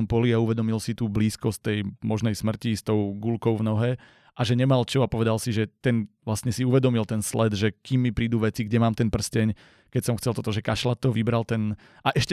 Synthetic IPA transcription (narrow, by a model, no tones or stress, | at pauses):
mpɔliauʋɛd̪ɔmilsit̪uːbliːskɔstt̪ɛjmɔʒnɛjsmr̩cist̪ɔʊɡulkɔʊvnɔɦɛ | ʔaʒɛɲɛmalt͡ʃɔapɔʋɛd̪alsiʒɛt̪ɛnʋlast̪ɲɛsiuʋɛd̪ɔmilt̪ɛnslɛd̪ʒɛkimːipɾiːd̪uʋɛt͡siɡɟɛmaːmt̪ɛnpr̩scɛɲ | kɛcsɔmxt͡sɛlt̪ɔt̪ɔʒɛkaʃlat̪ːɔʋibɾalt̪ɛn | ʔaʔɛʃcɛ